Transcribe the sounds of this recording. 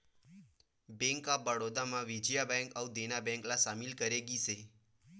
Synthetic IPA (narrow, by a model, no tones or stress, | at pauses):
bɛ̃ŋkabəɽod̪amãʋid͡ʒjabɛ̃ŋkəud̪enabɛ̃ŋklasamilkəɾeɡise